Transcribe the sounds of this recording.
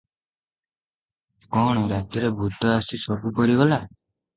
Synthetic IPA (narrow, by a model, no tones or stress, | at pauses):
kɔɽ̃ɔɾat̪jɔɾebʱut̪ɔasisɔbupɔɾiɡɔla